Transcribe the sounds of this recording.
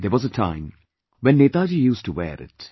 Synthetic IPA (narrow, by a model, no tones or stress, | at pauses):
d̪əɾʋɔzətʰã̰ɪ̃m | ʋɛ̃nːeːt̪aːd͡ʒijuːsʈuwɛ̰ːɾɪ̰t